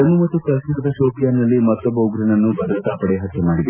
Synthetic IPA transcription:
ɐnːumɐt̪ːukɐsnɐɐd̪ɐʃoːpijaːnːɐlːimɐt̪ːobɐuɡɾɐɳɐnːubʱɐd̪ɾɐt̪aːpɐɽeɦɐt̪ːɐmaːɽid̪e

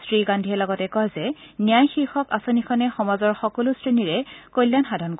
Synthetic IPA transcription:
stɹiɡandʱiɛlɔɡɔtɛkɔɦzɛ | nijajxiɹxɔkasonikʰɔnɛxɔmazɔɹxɔkolustɹiniɹɛkojlːanxadʱɔnko

